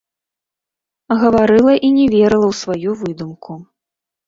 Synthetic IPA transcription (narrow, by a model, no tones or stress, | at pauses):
ɣɐvaɾɨlˠɐʔinʲɛvʲɛɾɨlˠɐwsvajuvɨd̪umku